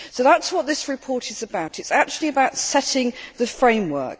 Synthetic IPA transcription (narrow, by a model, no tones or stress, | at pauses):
səʊðatswɒʔ̪̚ðɪsɹɪpʰɔˑtɪzəbaʊtʰɪtsak̚t͡ʃʉl̩ˠiəbaʊtsɛtɪ̃ŋðəfɹẽɪ̃mwɜ̰ˑk̚